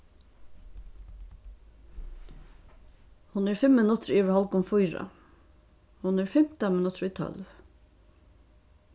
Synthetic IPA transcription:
hʊnɛɹfɪmːɪnʊt̪ɹiːʋɛɹhɔlkʊmfujɹa̰ | hʊnɛɹfɪm̥t̪amɪnʊt̪ɾʊit̪ʰœ̰lv

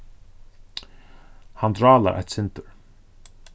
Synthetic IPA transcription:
hand̪ɾɑːla̰ʔa̰t̪sɪnt̪ʊɾ

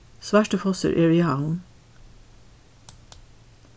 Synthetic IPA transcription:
sʋæːʃʈəfɔsə̰ɾʔɪɹɪɑːʊn

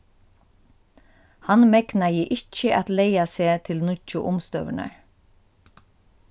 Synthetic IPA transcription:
hanmɛknajɪʔɪt͡ʃːəʔɛt̪lejaseːt̪ʰɪlnʊt͡ʃːʊ̰ʔʊmst̪œ̰vɪna̰ɹ

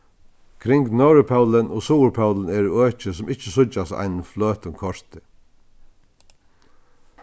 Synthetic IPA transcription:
kʰɾɪŋɡnœɹəpʰaʉlənʔoːsuːɾpʰɑʊlən̩ɛːɾuøːt͡ʃəsɔmɪçəsʊt͡ʃasæ̰ɪnəfløːt̪ʊmkʰɔʂt̪ɪ

